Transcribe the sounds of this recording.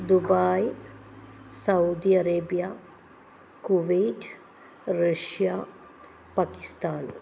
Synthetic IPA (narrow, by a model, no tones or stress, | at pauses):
d̪ubaːj | sɐud̪iɐɾeːbija | kuʋeːd͡ʒ | ɾəʃja | paːkɪ̥st̪aːn